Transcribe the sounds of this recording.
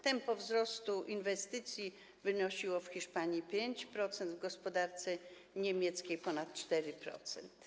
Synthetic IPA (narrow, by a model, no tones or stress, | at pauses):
t̪ɛmpɔvzɾɔst̪uʔinvɛst̪ɘt̪sʲji | vɘnɔɕiwɔfxʲiʂpaɲipʲjeɲt͡ɕpɾɔt̪sɛnd̪vɡɔspɔd̪aɾt̪sɛ | ɲemʲjɛt̪skʲejpɔnat̪t͡ʂt̪ɛɾɘpɾɔ̰t̪sɛnt̪